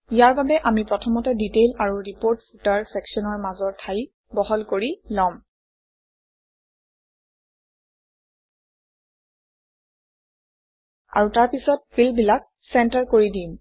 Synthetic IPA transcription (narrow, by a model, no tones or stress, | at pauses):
ijaɹbabɛʔamipɹɔtʰɔmɔtɛditelaɹuɹipoɹtputaɹsɛksɔnɔɹmazɔɹtʰaj | bɔɦɔlkoɹilɔm | a̰ɹutaɹpisɔt̚filbilak̚ | sɛntaɹkoɹidim